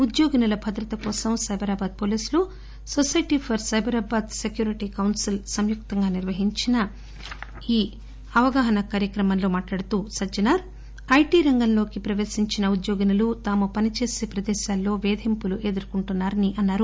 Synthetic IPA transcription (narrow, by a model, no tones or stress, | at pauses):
ud̪joːɡnɐlɐbʱɐd̪ɾɐt̪ɐkɔːsɐmsɐjbʱɐɾaːbaːd̪̚poːliːslu | sosɐjʈipʰɐɾsɐjbɐɾaːbaːd̪sekjuːɾiʈikɐwnsilsɐmjuk̚t̪ɐŋɡaːniɾʋɐɦiɲt͡ʃinɐ | iː | ɐʋɐɡaːɦɐnɐkaːɾjɐkɾɐmɐnlo̞ːmaːʈlaːɽɐt̪uːsɐd͡ʒɐnaːɾ | ɐjʈiːɾɐŋɡɐnlo̞ːkipɾɐʋe̞ːsiɲt͡ʃinɐud̪joːɡinɐlut̪aːmupɐnit͡ʃe̞ːseːpɾɐd̪ɛːʃaːlːo̞ːʋeːd̪ʱimpuluʔeːd̪ɐɾkuɳʈunːaːɾɐniʔɐnːaːɾu